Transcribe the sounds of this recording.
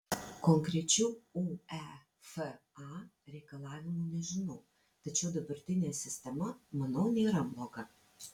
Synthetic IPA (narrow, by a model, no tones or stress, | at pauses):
koŋkɾʲɛt͡ʃʲɛʊuɛ | f | ɑ | ɾʲɛɪkɐlˠɑːʋʲɪmunʲɛʒʲɪnɐʊ | t̪ɐt͡ʃʲɛʊd̪ɐbɐɾʲt̪ʲɪnʲeːsʲɪsʲt̪ʲɛmɐmɐnɐʊnʲeːɾɐblˠoːɡɐ